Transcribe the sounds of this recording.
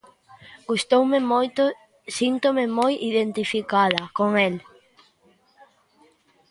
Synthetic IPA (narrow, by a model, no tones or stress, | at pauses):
ɡ̥ust̪owmemojt̪ʊ | sint̪omemojʔiðent̪ifikaðɐkoŋel